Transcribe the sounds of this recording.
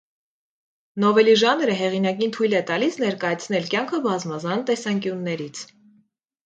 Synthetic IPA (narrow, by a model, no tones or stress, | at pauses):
nɔvɛliʒɑnɾəɦɛʁinɑk̬int̪ʰujlɛt̪ɑlisnɛɾkɑjɑt͡sʰn̪ɛlkjɑŋkʰəbɑzmɑzɑnt̪ɛsɑŋkjunːɛɾit͡sʰ